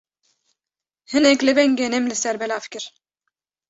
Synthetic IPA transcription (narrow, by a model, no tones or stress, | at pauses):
hɨnɛklɪbɛŋɡɛnɛmlɪsɛɾbɛlafkɪɾ